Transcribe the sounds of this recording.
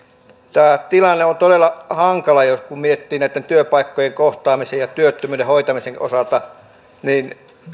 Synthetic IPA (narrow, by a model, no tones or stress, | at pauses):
t̪æːt̪ilɑnːeont̪odelːˑɑhɑŋkɑlɑjoskummiet̪ːiːnnæˑit̪ːent̪yøpɑikːojeŋkoht̪ɑːmisejjɑt̪yøt̪ːømyːɾehoit̪ɑmiseŋʔo̰sɑlt̪ɑ | niːn